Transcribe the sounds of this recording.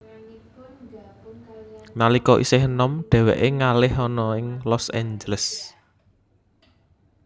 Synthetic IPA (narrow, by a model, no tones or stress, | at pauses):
nalikɔʔḭsɪhənɔmɖ̥ɛ̤wɛ̰ʔeŋalɪhɔnɔɪŋlɔsɛɲd͡ʒələs